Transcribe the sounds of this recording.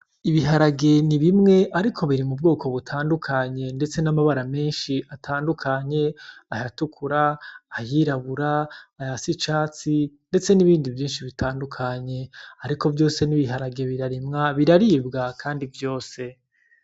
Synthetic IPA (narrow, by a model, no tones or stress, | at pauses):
iβiɦaɾaɡe̞niβimŋe̞ʔaɾikʰo̞βiɾimubɡo̞ːko̞βutʰaːndukʰaɲe̞nde̞t͡se̞namaβaɾame̞ːnʃiʔatʰaːndukʰaɲe̞ahatukʰuɾaːjiːɾaβuɾaːjasit͡ʃaːt͡sinde̞t͡se̞niβiːndivjiːnʃiβitʰaːndukʰaɲe̞aɾiko̞vjo̞ːse̞niβiɦaɾaɡe̞βiɾaɾimŋaβiɾaɾibɡakʰaːndivjo̞ːse̞